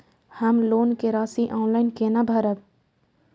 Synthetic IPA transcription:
həmloːnkeɾaːsiʔɔ̃ːnlaɪnkeːnabʱəɾət

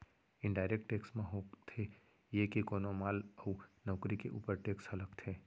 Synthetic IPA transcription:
ɪ̃nɖaːɪɾek̚ʈʈeːksmẽɦoːt̪ʰe | jekekoːnomaːlɔunɔːkɾikḛʔṵːpəɾʈeːkshɐləkt̪ʰeː

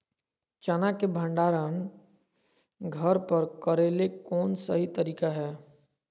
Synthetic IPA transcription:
t͡ʃanakebʱə̃ɳɖaːɾaːn | ɡʱɐɾpəɾkɐɾeːlekɔːnsɐɦit̪ɐɾiːkaɦɛː

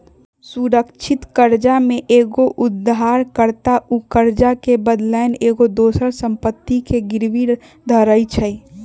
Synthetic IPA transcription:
suɾəkt͡ʃʰɪt̪kəɾd͡ʒamẽʔeːɡoʔʊd̪aːɾkəɾt̪aʔukəɾd͡ʒakebəd̪lɛneːɡod̪oːsəɾsə̃mpət̪ːikeɡɪɾʋi | d̪ʱəɾəit͡ʃʰəi

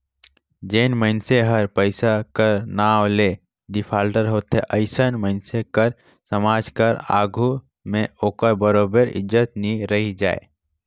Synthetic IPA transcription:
d͡ʒeːnməɪnseɦəɾpəɪsakəɾnaːwle | d̪ipʰaːlʈəɾɦoːt̪ɦeʔəɪsənməɪnsekəɾ | səmaːd͡ʒkəɾa̰ːɡʱu | mẽoːkəɾbəɾoːbəɾɪ̰d͡ʒət̪niɾəɦid͡ʒa̰ːḛ

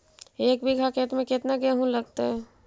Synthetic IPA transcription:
eːk̚bʱiɡʱakeːt̪mẽkɪt̪naɡɛ̃ɦũlɐɡ̚t̪aɦɛ

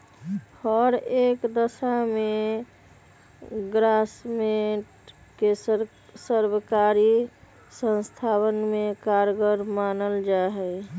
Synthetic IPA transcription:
həɾekd̪əsame | ɡɾasmeʈ | ke | səɾbəkaɾi | sə̃nst̪ʰawənmekaɾɡəɾmanəld͡ʒaɦɛ

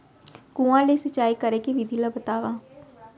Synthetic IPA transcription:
kũãlesət͡ʃːaːikəɾekeʋid̪ʱilabət̪aːʋaː

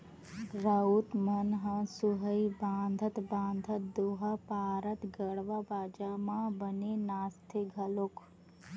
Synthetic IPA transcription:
ɾəut̪mɐnɦə̃suɦəibãːnd̪ʱət̪bãːnd̪ʱət̪̚d̪uɦɐpaːɾət̪ɡəɽʋabaːd͡ʒamãbɐninaːst̪ʰiɡʱɐluk

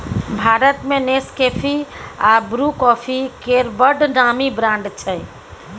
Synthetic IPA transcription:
bʱaɾət̪meneskepʰiabɾukɔpʰikeɾbəɖnamibɾãɳɖt͡ʃʰɛj

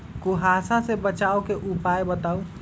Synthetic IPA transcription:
kuɦasãsebət͡ʃaːokeʔupaːebət̪aːu

